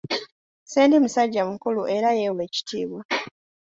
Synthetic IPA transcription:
seːndimusaɟːamukuluʔe̞ɾajewe̞ːci̥tʰiːβwa

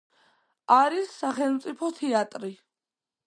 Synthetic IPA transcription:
aɾisːaχɛlˠmt̪sʼipʰɔt̪ʰɛat̪ʼɾi

